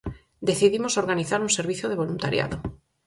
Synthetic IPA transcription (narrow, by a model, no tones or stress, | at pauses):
d̪eθiðimosoɾɣaniθaɾuŋseɾβ̞iθjoð̞eβ̞olunt̪aɾja̰ðo